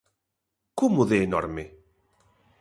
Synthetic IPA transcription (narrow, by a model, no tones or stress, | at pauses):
kumuðeːnɔɾme